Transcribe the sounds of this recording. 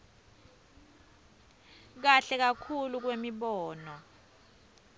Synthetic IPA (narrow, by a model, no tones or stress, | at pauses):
k̬aɬɛk̬akʰuluk̬wemiɓɔːnɔ